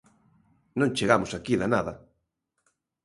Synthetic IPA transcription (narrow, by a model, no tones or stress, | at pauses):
nõŋt͡ʃeɣamʊsakiðanaðɐ